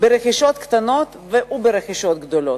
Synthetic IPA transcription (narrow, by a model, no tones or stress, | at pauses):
beɾeχiʃot̪kt̪ano̞t̪veʔubeɾeχiʃo̞t̪̚ɡd̪olo̞t̪